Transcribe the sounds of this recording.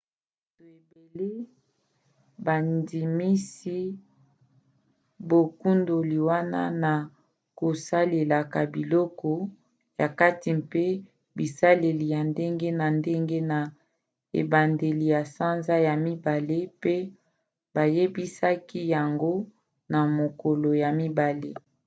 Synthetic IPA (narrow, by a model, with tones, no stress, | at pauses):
bb | a˨to˨e˨be˨le˦ | ba˨ndi˨mi˦si˦ | bo˨ku˦ndo˨li˨wa˦na̰˦na˨ | ko˨sa˦le˨la˨ka˨bi˨lɔ˦kɔ˦ | ja˨ka˦ti˨mpe˦ | bi˨sa˦le˨li˨ja˨nde˦ŋɡe˦na˨nde˦ŋɡe˦na˨ | ḛ˨ba˨nde˨li˨ja˨sa˦nza˦ja˨mi˦ba˨le˦pe˦ | ba˨je˦bi˦sa˦ki˦ja˨ŋɡo˦ | na˨mo˨ko˨lo˨ja˨mi˦ba˨le˦